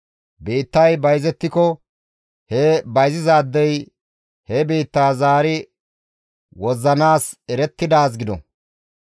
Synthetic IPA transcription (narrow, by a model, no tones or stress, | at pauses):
beːt̪ːɐjbɐjzɛt̪ːɪkɔ | hɛbɐjzɪzaːd̪ːɛj | hɛbeːt̪ːaːzaːɾɪ | wɔzːɐnaːsɛɾɛt̪ːɪd̪aːs̬ɡɪd̪ɔ̰